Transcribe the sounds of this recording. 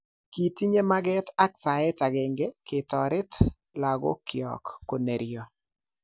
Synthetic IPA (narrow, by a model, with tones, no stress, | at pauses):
ki˨ti˦ɲe˦ma˦ɡɛ˦ta˦ksa˨ɪ˦ta˨ɡɛ˨ŋɡe˦kɪ˨tɔ˨ɾɪ˦t | la˨ɡo̰˦kjɔ̰˨kːo˨ne˨ɾɪɔ˨